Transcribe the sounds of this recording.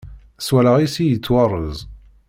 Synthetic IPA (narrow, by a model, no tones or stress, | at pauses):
swælaʁisijət͡sːwɑrˤːəzˤ